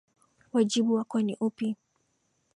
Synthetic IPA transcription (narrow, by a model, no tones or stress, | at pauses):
wad͡ʒiɓuwakwaniʔupi